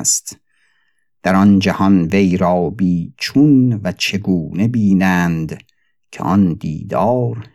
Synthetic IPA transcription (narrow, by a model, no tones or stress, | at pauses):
st̪ | d̪̥æɾɒnd͡ʒæhɒnve̞jɾɒːbiːt͡ʃʰunvæt͡ʃʰe̞ɡuːne̞biːnæːnd̪ | kʲʰḛʔɒnd̪ḭːd̪ɒːɾ